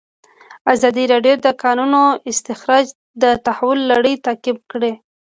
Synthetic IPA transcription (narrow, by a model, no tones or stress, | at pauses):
azɑd̪iɾɑɖjod̪əkɑnunoɪst̪ɪxɾɑd͡ʒ | d̪ət̪ahawʊlːaɽəjt̪ɑkɪb̚kɽe